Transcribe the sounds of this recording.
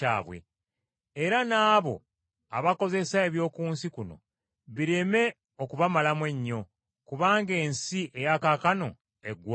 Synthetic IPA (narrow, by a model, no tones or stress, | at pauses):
a̰ːβwḛ | eɾanaːβo̞̰ | a̰βako̞ze̞sae̞βjo̞ːkuːnsikuno̞̰ | βiɾe̞me̞ | o̞kuβamalamwe̞ɲːo̞ | kuβaːŋɡe̞ːnsiʔe̞jakakano̞ | eɡw